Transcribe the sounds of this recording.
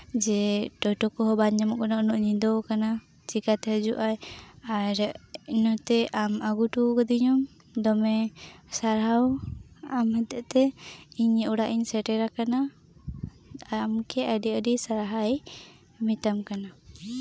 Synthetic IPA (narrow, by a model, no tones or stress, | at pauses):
d͡ʒɛʈɔjʈɔkɔɦɔbaɲamɔʔkanaɔnɔʔɲid̪ɔkana | t͡ʃikat̪ɛɦəd͡ʒuʔajaɾinɔt̪ɛʔamaɡuʈukəd̪iɲɔm | d̪ɔmɛsaɾɦawamhɛt̪ɛʔt̪ɛiɲuɽaʔiɲsɛʈɛɾakana | amkɛaɖiədisaɾaɦaj | mit̪amkana